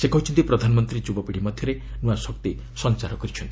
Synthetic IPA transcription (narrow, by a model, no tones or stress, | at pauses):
sekɔɦut͡ʃʰint̪ipɾɔd̪ʱanɔmɔnt̪ɾid͡ʒubɔpiɽ̤imɔd̪ʱjɔɾenuasɔkt̪i | sɔnt͡ʃaɾɔkɔɾit͡ʃʰɔnt̪i̥